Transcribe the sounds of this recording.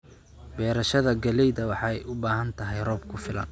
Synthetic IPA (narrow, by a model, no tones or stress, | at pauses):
bɛːɾɐʃɐðɐɡɐlɛjðɐwɑħɑːɛjʔʊbaːɦɐnt̪ʰɐɦɛjrɔːb̚kʰʊfɪlɐ̰n